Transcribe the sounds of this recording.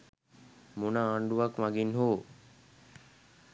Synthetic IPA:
munaaɳɖuʋakʋaɡinɦoː

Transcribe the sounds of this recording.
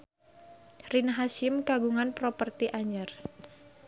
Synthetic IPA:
rinɦasɪmkaɡuŋanpɾopərt̪iʔaɲər

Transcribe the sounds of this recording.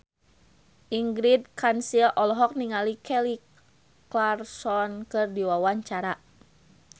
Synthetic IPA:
ʔiŋɡɾid̚kansilɔlɔɦɔk̚niŋalikɛli | klarsɔnkɨrdiwawaɲt͡ʃaɾa

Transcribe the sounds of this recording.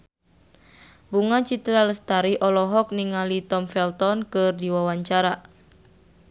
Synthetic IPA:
buŋat͡ʃit̪ɾaləst̪aɾiʔɔlɔɦɔk̚niŋalit̪ɔmfɛlt̪ɔnkɨrdiwawaɲt͡ʃaɾa

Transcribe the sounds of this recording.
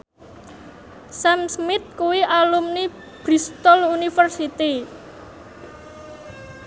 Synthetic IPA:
samsmɪt̪̚kuwiʔalumni | b̥ɾist̪ɔlunifərsit̪i

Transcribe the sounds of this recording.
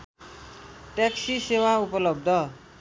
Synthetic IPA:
ʈaksisewaupʌlʌb̚d̪ʱʌ

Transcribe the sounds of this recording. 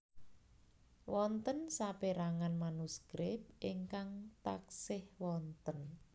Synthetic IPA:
wɔnt̪ənsapeɾaŋanmanuskɾɪp̚ʔiŋkaŋt̪aksɪhwɔnt̪ən

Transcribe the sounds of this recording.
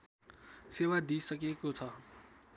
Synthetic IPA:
sewad̪isʌkekot͡sʰʌ

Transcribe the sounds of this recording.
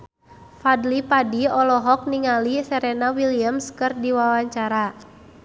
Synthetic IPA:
fadlipadiɔlɔɦɔk̚niŋalisɛɾɛnawiliəmskɨrdiwawaɲt͡ʃaɾa

